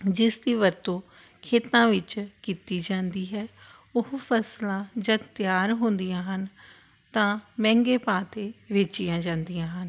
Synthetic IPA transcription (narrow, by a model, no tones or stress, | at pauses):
d͡ʒɪsd̪iːʋəɾt̪õː | kʰeːt̪nãːʋɪt͡ʃkiːt̪iːd͡ʒãːnd̪iːɦɛː | ʊɦpʰəslãːd͡ʒəd̪t̪jaːɾɦʊ̃ːnd̪ijãːɦən | t̪ãːmɛ̃ːŋɡeːpaːt̪eːʋeːt͡ʃijãːd͡ʒãːnd̪ijãːɦən